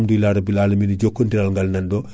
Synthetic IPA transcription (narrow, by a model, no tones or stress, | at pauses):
mduilaɾɐbilaːlɐminɐɟokːondiɾalŋɡɐlnɐndo